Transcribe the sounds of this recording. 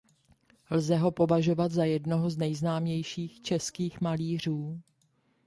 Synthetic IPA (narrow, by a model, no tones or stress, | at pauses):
lzɛɦo̞po̞vaʒo̞vat̪zajɛdnoɦoznɛjznaːmɲɛjʃiːxt͡ʃɛskiːxmaliːr̝uː